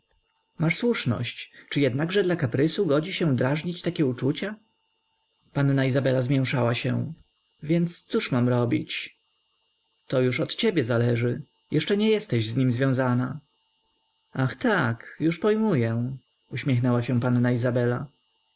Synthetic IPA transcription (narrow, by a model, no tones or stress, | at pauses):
maʂswuʂnɔ̰ɕt͡ɕt͡ʂɨjɛd̪naɡʐɛd̪lakapɾɘsuɡɔd͡ʑiɕɛ̃d̪ɾaʐɲit͡ɕt̪akʲɛut͡ʂut͡ɕa | panːaizabɛlazmʲjɛw̃ʂawaɕɛ̰ | vʲjɛnt̪st̪suʂmamɾɔbʲḭt͡ɕ | t̪ɔjuʂɔt̪t͡ɕebʲjɛzalɛʐɘ | jʔɛʂt͡ʂɛɲɛjɛst̪ɛʑzɲimzvjɔ̃w̃zana | axt̪akjuʂpɔjmujɛ | uɕmʲɛxnɛwaɕɛ̃panːaizabɛla